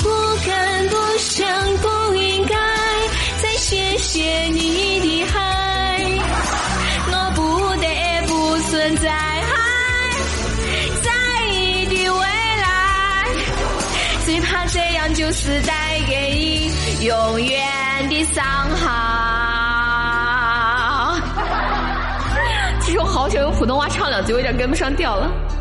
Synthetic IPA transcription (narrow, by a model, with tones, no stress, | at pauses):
pu˥˧kʰə˨˩npu˧˩ɕə˧ŋku˧˩ | i˧ŋka˥˧ | ɪ | t͡sa˥˧ɪɕjɛ˧˥ɕjɛ˨˧˩ni˧˥t̪i˨˧˩xe˥˧ | nɔ˧pu˨˦ | d̪ə˧˩ɛ˧˩pu˧ | swə˧nt͡sa˧ɪxa˥˧˥ | t͡sa˥˧ɪ | i˧˩t̪i˧˩we˧˥ɪla˧˦ | swɔ˧˥i˨˩t̪ʰa˥ʈ͡ʂɤ˥˧jɑ˥˩ŋt͡ɕjo˥˧ʊʂɻ̩˥˧t̪a˥˩ɪke˧˩ɪi˧˩ | jʊ˨˩ŋɥɛ˧ | nt̪i˥˧˩sɑ˥˧ŋxɑ˨˧ | t͡ɕʰi˧˥ʂ̩˥xɑ˧˥ʊt͡ɕʰjjo˧˥pʰu˨˩t̪ʊ˥ŋxwa˥˧ʈ͡ʂʰɑ˥˩ŋljɑ˨˩ŋt͡s̩˥˧˥ɑ˥˩kmɔ˥˩ʂɑ˥ŋt̪jɑ˥˩ʊlə˩